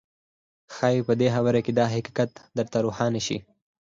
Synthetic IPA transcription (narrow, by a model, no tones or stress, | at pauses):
xɑːjipəd̪exawaɾaked̪ɑɦɪkɑ̥kat̪d̪əɾt̪aɾuxɑneʃḭ